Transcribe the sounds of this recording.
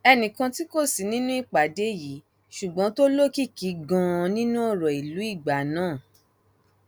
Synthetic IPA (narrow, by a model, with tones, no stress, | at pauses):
ɛ˧nĩ˨kã˧ti˦ko˦˨si˨˦nĩ˦nũ˦i˦˨k͡pa˨de˨˦ji˨˦ | ʃu˨ɡ͡bɔ̃˨˦to˦lo˦ki˦˨ki˨˦ɡã˧nĩ˦nũ˦ɔ˦˨ɾɔ˨i˨lu˨˦i˦˨ɡ͡ba˨˦nãː˦˨